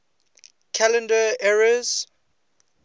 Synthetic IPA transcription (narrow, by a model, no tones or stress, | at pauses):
kʰalə̃ndəɛɹəz̥